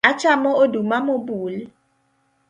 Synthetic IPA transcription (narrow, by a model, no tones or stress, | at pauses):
at͡ʃamɔodumamobuːl